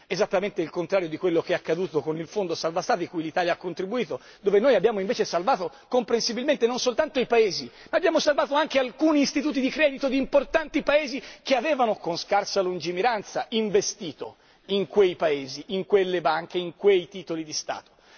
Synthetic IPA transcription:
ezat̪ːament̪eilkont̪ɾaːɾjod̪ikwelːokeakːad̪uːt̪okonilfond̪osalvast̪aːt̪ikujlit̪aːljaakːont̪ɾibuiːt̪o | d̪oːvenoːjabːjaːmoiɱveːt͡ʃesalvaːt̪o | kompɾensibilment̪enonsolt̪ant̪oipaeːzi | maːbːjaːmosalvaːt̪oaŋkealkuːniːst̪it̪uːt̪id̪ikɾɛːd̪it̪od̪iːmport̪ant̪ipaeːzik̟eaveːvanokonskarsalund͡ʒimiɾant̪saiɱvest̪iːt̪o̰ | iŋkwejpaeːziʔiŋkwelːebaŋk̟eiŋkwejt̪iːt̪olid̪ist̪a̰ːt̪o̥

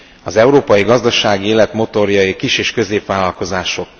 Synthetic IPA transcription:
ɒzɛuɾoːpɒjiɡɒzd̪ɒʃaːɡieːlɛt̪mo̞t̪o̞rjɒjikiʃeːʃkø̞zeːpʋaːlɒlko̞zaːʃo̞k̚

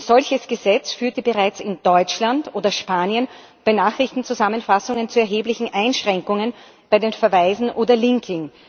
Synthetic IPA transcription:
z̥ɔlçəsɡ̥əzɛt͡sfyːɐtəbəʁaɪt͡sɪnd̥ɔʏt͡ʃlantoːdɐʃpaːniən | b̥aɪnaːχʁɪçtn̩t͡suzamənfasʊŋənt͡suɛɐɦeːblɪçn̩ʔaɪnʃʁ̥ɛŋkʊŋən | b̥aɪdeːnfɛɐvaɪzn̩ʔoːdɐlɪŋkʰɪŋ

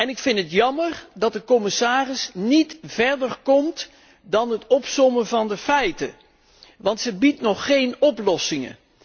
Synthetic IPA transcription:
ɛnɪkfɪntətjɑməɹdɑt̚dəkɔmɪsaːrɪsnitv̥ɛɹdərkɔmt | dɑnɦətɔpsɔməvɑndəfɛjtə | ʋɑntsəbitnɔχːejnɔplɔsɪŋə̰

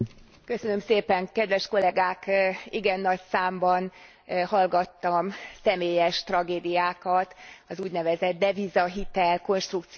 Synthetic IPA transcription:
kø̞sø̞nø̞mseːpɛŋkɛd̪ʋɛʃko̞lɛɡaːkiɡɛnːɒcsaːmbɒn | hɒlɡɒt̪ːɒmsɛmeːjɛʃt̪rɒɡeːd̪ijaːkɒt̪ɒzuːɟnɛvɛzɛd̪̚d̪ɛvizɒɦit̪ɛlko̞nʃt̪rukt̪s

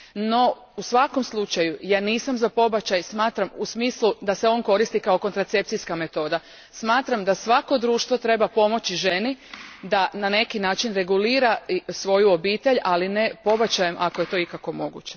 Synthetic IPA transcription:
no̞ | usʋako̞mslˠut͡ʃajujaːniːsamzapo̞bat͡ɕajsmaːt̪ɾamusmiːslud̪ase̞o̞nko̞ɾist̪ikao̞ko̞nt̪ɾat̪se̞p̚t̪ijskame̞t̪o̞ːd̪a | smaːt̪ɾamd̪asʋako̞d̪ɾuːʃt̪ʋo̞t̪ɾe̞bapo̞mo̞t͡ɕiʒe̞nid̪anane̞kinaːt͡ʃinɾe̞ɡuliːɾasʋo̞juobiːt̪e̞ʎaline̞po̞bat͡ɕajemʔakoje̞t̪o̞ikako̞mo̞ɡṵːt͡ɕe

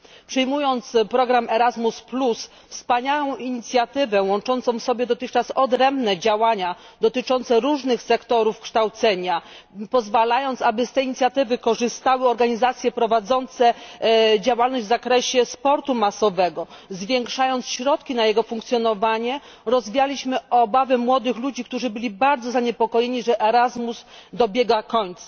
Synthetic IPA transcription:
pʂɛjmujɔnt̪spɾɔɡɾamɛɾazmusplus | fspaɲawɔ̃w̃iɲit̪sʲjat̪ɘvɛwɔ̃nt͡ʂɔnt̪ɔ̃w̃sɔbʲjɛd̪ɔt̪ɘxt͡ʂasɔd̪ɾɛmbnɛd͡ʑawaɲa | d̪ɔt̪ɘt͡ʂɔnt̪sɛɾuʐnɘxsɛkt̪ɔɾufkʂt̪awt̪sɛɲa | pɔzvalajɔnt̪sabɘst̪ɛjiɲit̪sʲjat̪ɘvɘkɔʐɘst̪awɘɔɾɡaɲizat̪sʲjɛpɾɔvad̪zɔnt̪sɛ | d͡ʑawalnɔʑvzakɾɛɕɛspɔɾt̪umasɔvɛɡɔzvʲjɛŋkʂajɔnt̪sɕɾɔt̪̚kʲinajɛɡɔfuŋkt̪sʲjɔnɔvaɲɛ | ɾɔzvʲijalʲiɕmɘɔbavɘmwɔd̪ɘxlud͡ʑikt̪uʐɘbɘlʲibaɾd̪zɔzaɲɛpɔkɔjeɲiʐɛʔɛɾazmuzd̪ɔbʲjɛɡakɔɲt̪sa

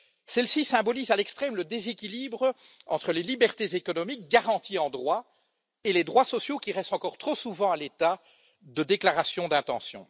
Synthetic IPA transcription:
sɛlsisɛ̃bɔlizalɛkst̪χɛmləd̪ezekʲilibʁə | ɑ̰̃t̪χəlelibɛʁt̪ezekɔnɔmik̚ɡaʁɑ̃t̪iɑ̃d̪ʁwa | eled̪ʁwasɔsjokʲiʁɛst̪ɑ̃kɔʁt̪χosuvɑ̃alet̪a | d̪əd̪eklaʁasjɔ̃d̪ɛ̃t̪ɑ̰̃sjɔ̰̃

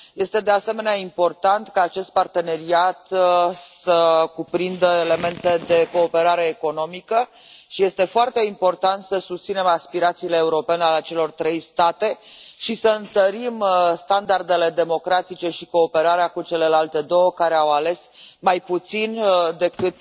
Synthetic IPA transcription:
je̞st̪e̞d̪e̞ase̞me̞neaimpo̞rt̪ant̪kaːt͡ʃe̞st̪̚part̪e̞ne̞ɾiat̪səkupɾind̪əe̞le̞me̞nt̪e̞d̪e̞ko̞ːpe̞ɾaɾe̞ːko̞no̞mikə | ʃije̞st̪e̞foart̪e̞impo̞rt̪ant̪səsust̪sine̞maspiɾat̪sile̞ːuɾo̞pe̞nealeat͡ʃe̞lo̞rt̪ɾe̞jst̪at̪e̞ʃisəɨnt̪əɾimst̪and̪ard̪e̞le̞d̪e̞mo̞kɾat̪it͡ʃe̞ʃiko̞ːpe̞ɾaɾeakut͡ʃe̞le̞lalt̪e̞d̪o̞wəkaɾe̞awale̞smajput̪sind̪e̞kɨt̪̚

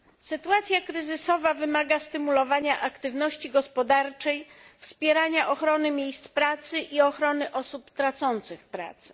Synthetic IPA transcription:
sɘt̪uat̪sʲjakɾɘzɘsɔvavɘmaɡast̪ɘmulɔvaɲaʔakt̪ɘvnɔɕt͡ɕiɡɔspɔd̪aɾt͡ʂɛjfspʲjɛɾaɲaʔɔxɾɔnɘmʲjejst̪spɾat̪sɘʔiɔxɾɔnɘʔɔsupt̪ɾat̪sɔnt̪sɘxpɾa̰t̪sɘ̥

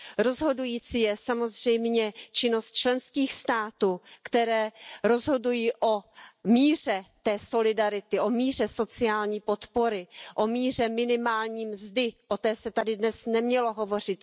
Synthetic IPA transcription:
ɾo̞zɦo̞dujiːt͡siːjɛsamo̞zr̝ɛjmɲɛt͡ʃɪno̞st̪̚t͡ʃlɛnskiːxst̪aːt̪uːkt̪ɛɾɛːɾo̞zɦo̞dujiːʔo̞miːr̝ɛt̪ɛːso̞lɪdaɾɪt̪ɪʔomiːr̝ɛso̞t͡sɪaːlɲiːpo̞t̪po̞ɾɪʔomiːr̝ɛmɪnɪmaːlɲiːmzdɪʔot̪ɛːsɛt̪adɪdnɛsnɛmɲɛlo̞ɦo̞vo̞r̝ɪt̪

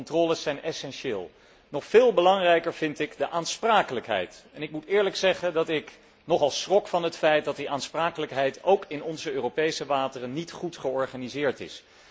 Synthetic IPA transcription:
ntrɔːləsɛjnɛsɛnʃeːlˠ | nɔχfɪːlˠbəlɑŋrɛjkəɹv̥ɪntɪkdəʔaːnspraːkələkɦɛ̰jtɛnɪk̚mutɪːɹləksɛχəndɑtɪk | nɔχɑlˠsrɔkfɑnɦətfɛjt̚dɑt̚diʔaːnspraːkələkɦɛjtowkɪnɔnzəøːrowpejsəʋaːtərənːitχutχəɔɹχaːnizɪːɹtɪ̰s

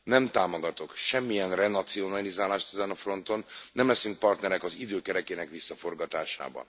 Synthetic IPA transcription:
nɛmt̪aːmoɡɒt̪o̞kʃɛmːijɛnrɛnɒt̪sio̞nɒlizaːlaːʃt̪ɛzɛnɒfro̞nt̪o̞nːɛmlɛsyŋk̚pɒrt̪nɛɾɛkɒzid̪øːkɛɾɛkeːnɛkʋisːɒfo̞rɡɒt̪aːʃa̰ːbɒ̰n

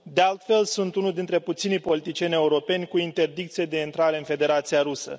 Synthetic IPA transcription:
d̪e̞alt̪fe̞lsunt̪unud̪int̪ɾe̞put̪sinijpo̞lit̪it͡ʃije̞nʲe̞uɾo̞pe̞nʲkuint̪e̞rd̪ik̚t̪sije̞d̪eint̪ɾaɾe̞ɨnfe̞d̪e̞ɾat̪sijaɾusə̰

